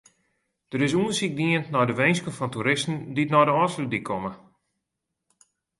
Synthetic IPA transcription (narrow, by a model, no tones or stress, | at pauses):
d̥əɾɪs̬uənsik̚diəntnɔjdəʋejnskəfɔntuɾɪstn̩ditnɔdəɔsludikʰɔmə